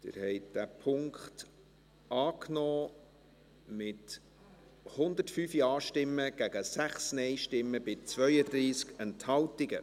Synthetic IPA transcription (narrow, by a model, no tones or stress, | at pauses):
d̥ɪ̰ɾhɛɪtd̥æpʰʊŋkt | ɑːknɔː | mɪt | hʊnd̪ətfyːfjɑːʃtɪmːəɡ̥æɡ̥əsæχsnɛɪʃtɪmːəb̥ɪt͡svœʏəd̪ɾiːskɛnthɑltɪɡə